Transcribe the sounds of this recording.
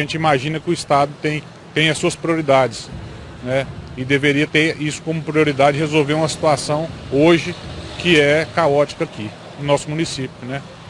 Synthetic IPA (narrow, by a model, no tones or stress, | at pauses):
ɐʒẽnt͡ʃɪimaʒĩnɐkɪʊist̪ad̪ʊt̪ẽj̃ | t̪ẽj̃ɐsuɐspɾioɾid̪ad͡ʒɪs | nɛɪd̪eveɾiɐt̪eɾisʊ̥kõmʊpɾioɾid̪ad͡ʒɪd͡ʒɪhezowveɾũmɐsi̥t̪uasɐ̃w̃oʒɪkɪɛkaɔt͡ʃi̥kɐaki | nʊnɔsʊmũnisipjʊnɛ